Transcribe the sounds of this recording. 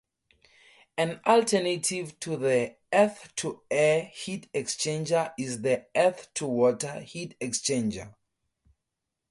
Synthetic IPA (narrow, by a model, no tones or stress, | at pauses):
ãnɔltʰɛnatʰivtʰuði | ɛθtʰuɛhitɛkst͡ʃẽnd͡ʒəʔizðiɛθtʰuwɔtəhitɛkst͡ʃẽnd͡ʒə̰